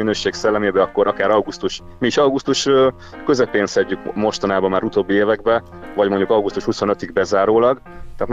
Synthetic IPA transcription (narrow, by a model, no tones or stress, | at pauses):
inøːʃeːksɛlːɛmeːbɛɒkːo̞ɾʔɒkaːɾɒwɡust̪uʃ | miːʃɒwɡust̪uʃø | køzɛpeːnsɛɟːykmo̞ʃt̪ɒnaːbɒmaːɾut̪oːbːieːvɛɡ̚bɛ | vɒɟmo̞ɲɟukɒwɡust̪uʃhuso̞nøt̪iɡbɛzaːɾoːlɒɡ | t̪ɛːt̪